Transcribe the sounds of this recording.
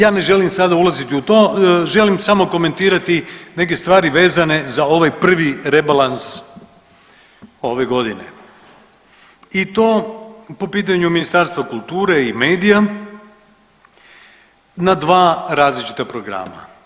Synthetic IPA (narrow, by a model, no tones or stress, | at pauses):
jaːne̞ʒe̞limsad̪aulazit̪iut̪o̞ːʒe̞limsamo̞ko̞me̞nt̪iːɾat̪ine̞k̬e̞st̪ʋaːɾiʋe̞ːzane̞zao̞ʋajpr̩ʋiɾebalans | o̞ʋe̞ɡo̞d̪inḛ | it̪o̞ːpo̞piːt̪̬aɲuminist̪aɾst̪ʋakulˠt̪uːɾe̞ime̞ːd̪ija | nad̪ʋaːɾaːzlit͡ʃi̥t̪apɾo̞ɡɾa̰ːma̰